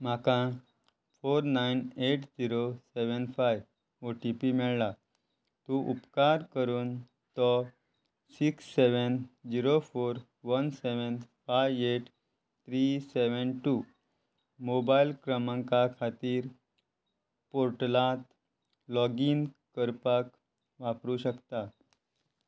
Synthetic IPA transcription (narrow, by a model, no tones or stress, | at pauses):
m̤akã | foɾnaineʈd͡ʑiɾoseʋənfaj | oʈipimɛɭla | t̪uʔṵpkaɾkəɾuːn | t̪ɔ | siksːeʋənd͡ʑiɾofoɾ | ʋənseʋənfajʋeʈ | t̪ʰɾiseʋənʈu | mobailkɾəmãŋkakʰat̪iːɾ | poɾʈlat̪ | lɔɡiːnkəɾpak | ʋapɾuɕəkt̪a